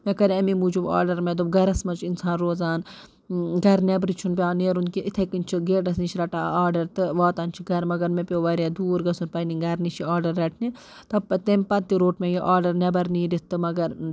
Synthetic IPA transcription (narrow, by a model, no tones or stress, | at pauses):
mɛkɐɾiɐmimud͡ʒuba̰ːɾɖɐɾmɛd̪ubɡɐɾɐsmɐt͡ʃʰinsaːnɾoːzaːn | ɡɐɾnʲebɾit͡ʃʰunpʲjaːneːɾunkiʔit̪ʰɐkɨnt͡ʃʰiɡeːʈɐsnit͡ʃʰiɾɐʈaːaːɾɖɐɾt̪ɨʋaːt̪aːnʲt͡ʃʰiɡɐɾmɐɡɐɾmepʲoːʋɐɾʲad̪uːɾɡɐsunpɐniŋɡɐɾnit͡ʃʰiaːɾɖɐɾːɐʈʰni | t̪ɐbpɐt̪emʲpɐnt̪iɾoːʈmejiʔaːɾɖɐɾnɛbɐɾniːɾit̪ːɨmɐɡɐɾ